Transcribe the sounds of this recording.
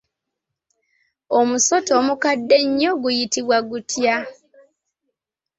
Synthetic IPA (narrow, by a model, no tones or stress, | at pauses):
omuso̞toːmukadːe̞ɲːo̞ɡujitiβwaɡutʰja